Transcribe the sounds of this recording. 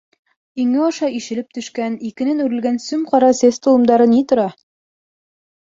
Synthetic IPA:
iŋɘɒʃɑiʃɘ̆lɘp̚t̪ɵ̆ʃkænikɘ̆nɘnʉɾɘ̆lɡænsɵmqɒɾɑsest̪ŏlˠɤ̆md̪ɑɾɤnit̪ŏɾɑ

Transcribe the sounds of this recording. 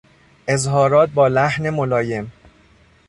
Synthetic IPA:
ʔe̞zɦɒːɾɒːt̪̚bɒːlæhnemolɒːje̞m

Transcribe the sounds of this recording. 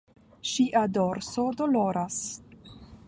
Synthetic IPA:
ʃiʔadoɾsod̪oloɾas

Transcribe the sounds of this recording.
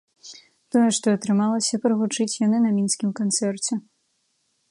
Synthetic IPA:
t̪ɔjɛʂt̪ɔɐt̪ɾɨmalˠɐsʲɐpɾɨvut͡ʂɨt͡sʲjanɨnɐmʲinskʲimkant̪sɛrt͡sʲɛ

